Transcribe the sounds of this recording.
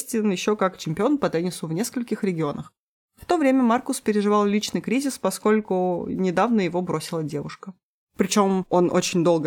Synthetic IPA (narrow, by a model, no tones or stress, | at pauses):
sʲtʲɪnjɪɕːo̞kakt͡ɕɪmʲpʲɪonpɐt̪ɛnʲɪsʊvnʲe̞skəlʲkʲɪxɾʲɪɡʲɪo̞nəx | ft̪o̞vɾʲemʲəmarkʊspʲɪɾʲɪʐɨvɑlˠlʲit͡ɕnɨjkɾʲizʲɪspɐsko̞lʲkʊnʲɪd̪avnəjɪvo̞bɾo̞sʲɪlˠədʲe̞vʊʂkə | pɾʲɪt͡ɕo̞mo̞no̞t͡ɕɪnʲd̪o̞lˠɡə